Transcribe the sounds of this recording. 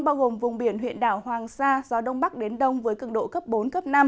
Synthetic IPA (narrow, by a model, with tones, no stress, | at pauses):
ŋ͡mɓaː˧wɣo˨˩mvʊ˨˩ŋ͡mɓi˧˩ənɦwḭ˧˨ənɗaː˧˩whwaː˨˩ŋsaː˧zɔ˨˦ɗə˧wŋ͡mɓa˦˥k̚ɗe˨˦nɗə˧wŋ͡mvəː˨˦jkɨ˧˩əŋɗo̰˧˨kə˦˥p̚ɓo˨˦nkə˦˥p̚na˧m